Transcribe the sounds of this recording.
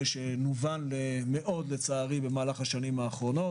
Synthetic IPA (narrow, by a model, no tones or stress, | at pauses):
ʃenuvanleme̞ʔo̞d̪let͡saːʁibe̞maːlaχaʃanimaːχʁo̞no̞